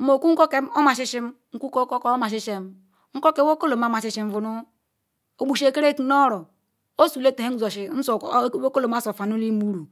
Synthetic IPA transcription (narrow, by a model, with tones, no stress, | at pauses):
mo˨ku˦ŋ̩˦ko˦ke˦mo˦ma˨ʃi˦ʃi˦m˦ | ŋ̩˦ku˦ko˦ko˦ko˦o˦ma˨ʃ̬i˦ʃe˦m | ŋ̩˦ko˦ke˨˦wo˦ko˦lo˨ma˨˦ma˨ʃi˦ʃi˨ɱ̩˦vu˨nu˦ | o˨bu˨ʃe˨ke˦ɾe˦ki˨no˦ɾo˨ | o˦su˨le˦te˨he˦n˨zo˨ʃi˨n̩˦so˨˦wo˦ko˦lo˨ma˦so˨fa˨nu˦li˦mu˦ɾu˨